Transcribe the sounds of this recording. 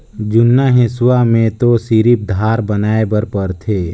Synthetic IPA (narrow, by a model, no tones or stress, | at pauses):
d͡ʒʊnːaɦẽsʊwamẽt̪osiɾip̚d̪ʱaːɾbənaːebəɾpəɾt̪ʰeː